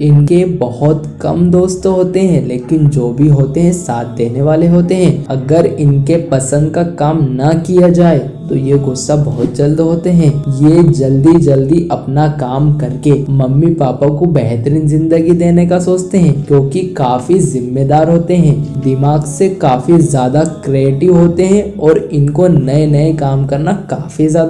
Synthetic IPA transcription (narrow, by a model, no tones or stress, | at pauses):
ɪnkebɐhʊt̪kɐ̰md̪oːst̪ɦoːt̪eɦɛ̃leːkɪnd͡ʒoːbʱiɦoːt̪eɦɛ̃saːt̪̚ʰd̪eːneʋaːleɦoːt̪eɦɛ̃ɐɡəɾɪnkepɐsə̃nd̪̚kakaːmnɐkijad͡ʒaːe | t̪ojeɡʊsːabɐɦʊt̪̚d͡ʒɐld̪ɦoːt̪eɦɛ̃ːjed͡ʒɐld̪id͡ʒɐld̪iʔɐpnakaːmkɐɾkemɐmːipaːpakobɛɦt̪əɾɪnzɪ̃nd̪əɡid̪eːnekasoːt͡ʃt̪eɦɛ̃ːkjõːkikaːfizɪmːed̪aːɾɦoːt̪eɦɛ̃ːd̪ɪmaːɡsekaːfizjaːd̪akɾeeːʈɪʋɦoːt̪eɦɛ̃ɔːɾɪnkonɐenɐekaːmkɐɾnakaːfizjaːd̪a